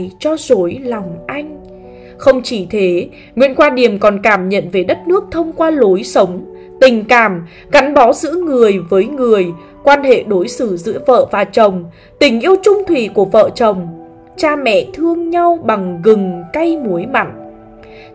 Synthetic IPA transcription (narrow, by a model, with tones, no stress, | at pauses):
jt͡ɕɔ˧zo˨˦jlɔ˨˩wŋ͡mʔa˧jŋ̟ | xə˧wŋ͡mt͡ɕi˧˩t̪ʰe˨˦ | ŋwḭ˧˨ənkwaː˧ɗi˨˩əmkɔ˨˩nkaː˧˩mɲə̰˧˨nve˨˩ɗə˦˥t̚nɨ˦˥ək̚t̪ʰə˧wŋ͡mkwaː˧lo˨˦jsə˨˦wŋ͡m | t̪ï˨˩ŋ̟kaː˧˩m | ɣa˨˦jŋ̟ɓɔ˨˦zɨ̰˧˥ŋɨ˨˩əjvəː˨˦jŋɨ˨˩əj | kwaː˧nhḛ˧˨ɗo˨˦jsɨ˧˩zɨ̰˧˥əvə̰ː˧˨vaː˨˩t͡ɕə˨˩wŋ͡m | t̪ï˨˩ŋ̟ʔi˧əwt͡ɕʊ˧ŋ͡mt̪ʰwḭ˨ku˧˩əvə̰ː˧˨t͡ɕə˨˩wŋ͡m | t͡ɕaː˧mɛ̰˧˨t̪ʰɨ˧əŋɲa˧wɓa˨˩ŋɣɨ˨˩ŋka˧jmu˨˦əjma̰˧˨ŋ